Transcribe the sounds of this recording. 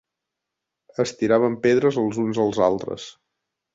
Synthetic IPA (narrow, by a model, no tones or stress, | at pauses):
əst̪iɾaβ̞əmpeðɾəzəlˠzunzəlˠzalˠt̪ɾə̰s